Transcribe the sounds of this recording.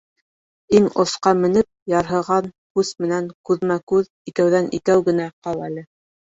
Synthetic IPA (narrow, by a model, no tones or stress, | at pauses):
iŋŏsqɑmɘ̆nɘp̚jɑɾɦɤ̆ʁɑn | kʉsmɘ̆næŋkʉðmækʉð | ikæwðænʔḭkæwɡɘ̆næqɑlˠælɘ